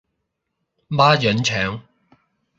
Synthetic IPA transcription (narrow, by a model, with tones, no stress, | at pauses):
maː˥jœ˨˥nt͡ʃʰœː˨˥ŋ